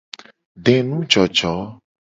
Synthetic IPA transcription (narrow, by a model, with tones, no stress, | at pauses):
ɖɛ̃˨nũ˦d͡ʒɔ˨d͡ʒɔ˨˦